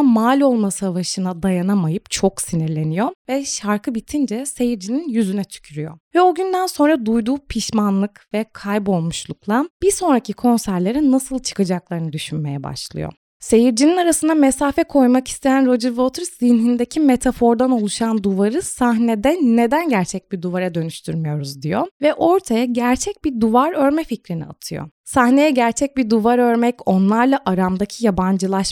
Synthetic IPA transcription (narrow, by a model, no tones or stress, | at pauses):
amaːlʲo̞lˠmasavaʃɯnad̪ajanamajɯpt͡ʃʰo̞ksiniɾlʲe̞nijo̞vɛʃaɾkʰɯbit̪ʰind͡ʒɛse̞jiɾd͡ʒininjyzynɛt͡ʃʰy̥cʰyɾyjo̰vɛo̞ɟynd̪ænso̞nɾad̪ujd̪uːpʰiʃmanlˠɯkvɛkʰajbo̞lˠmuʃlˠuklˠab̥iɾso̞nɾacʰikʰo̞nsæɾlʲe̞ɾinasɯlˠt͡ʃʰɯ̥kad͡ʒaklˠaɾɯnɯd̪yʃynme̞jɛba̰ʃlˠɯ̰jo̰ | se̞jiɾd͡ʒininaɾasɯnd̪ame̞saːfɛkʰo̞jmaki̥st̪ʰe̞jænɾo̞d͡ʒɯɾvot̪ʰɾszinɦind̪e̞cʰimet̪ʰafo̞ɾd̪ano̞lˠuʃand̪uvaɾɯsahned̪ɛne̞d̪ænɟæɾt͡ʃʰɛc̚biɾd̪uvaɾad̪ø̞nyʃt̪ʰy̰ɾmyjo̞ɾuzd̪ijo̞vɛʔo̞ɾt̪ʰajaɟæɾt͡ʃʰɛc̚biɾd̪uvaɾø̞ɾmɛficɾinḭa̰t̪ʰɯjo̰sahnejɛɟæɾt͡ʃʰɛc̚biɾd̪uvaɾø̞ɾmɛco̞nlˠaɾlˠaʔaɾamd̪acʰijaband͡ʒɯlˠaʃ